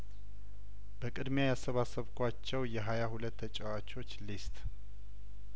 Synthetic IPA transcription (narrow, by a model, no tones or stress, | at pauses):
bəkʼɨd̪mjajasːəβasəβkʰʷat͡ʃːɛwjɛɦajahulət̪ːət͡ʃʼɛwat͡ʃo̞t͡ʃːlist̪ʼ